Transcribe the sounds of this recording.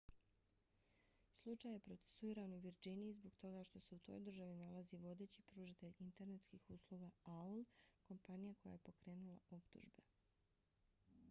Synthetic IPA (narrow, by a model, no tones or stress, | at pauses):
slˠut͡ʃaːje̞pɾo̞t̪se̥suiːɾanuʋiɾd͡ʒiniizbo̞ɡt̪o̞ɡaʃt̪o̞se̞ut̪ʰo̞̰jd̪r̩ʒaʋinalaziʋo̞d̪e̞ːt͡ɕipɾuʒit̪e̞ʎint̪eɾnet̪skixuslˠuːɡaaulko̞mpanijako̞ja̰jepo̞kɾe̞ːnulˠao̞pt̪ṵʒbe